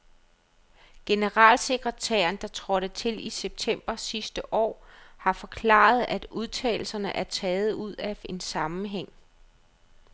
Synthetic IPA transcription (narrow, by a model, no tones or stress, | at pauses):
ɡ̥e̝nəʁɑ̰̈ːlse̝ɡ̥ʁət͡sʰæ̰ːɐnd̥ɑ̈t͡sʰʁɒ̽ɾ̥ət͡sʰe̝liseb̥̚t͡sʰem̰b̥ɐsisd̥əʔɒ̰ːhɑ̈fɒ̽kʰlɑ̰̈ːð̞̩ˠæd̥uð̞ˠt͡sʰɛ̰ːɪl̩sɐnəʔæɐt͡sʰɛːð̞̩ˠuð̞̰ˠæe̝nsɑ̈mm̩ɦeŋ̰